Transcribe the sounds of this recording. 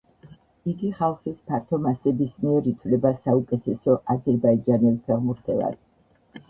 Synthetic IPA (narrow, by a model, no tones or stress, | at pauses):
iɡiχalˠχispʰaɾt̪ʰɔmasɛbismiɛɾit̪ʰvlɛbasaukʼɛt̪ʰɛsɔʔazɛɾbaid͡ʒanɛlˠpʰɛʁmuɾt̪ʰɛlˠa̰d̪̥